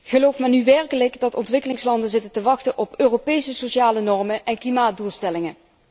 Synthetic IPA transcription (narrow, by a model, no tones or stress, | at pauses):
χəlowfmaːnyʋɛɹkələkdɑtɔntʋɪkəlɪŋslɑndənzɪtəntəʋɑxtənʔɔpøːropejsəsoʃaːlənɔrməʔɛnklimaːt̚dulˠstɛlɪŋə